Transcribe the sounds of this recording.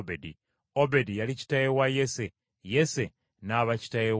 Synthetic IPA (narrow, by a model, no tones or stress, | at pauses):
bedi | obe̞dijalici̥tajewajese | jese̞ | naːβaci̥taje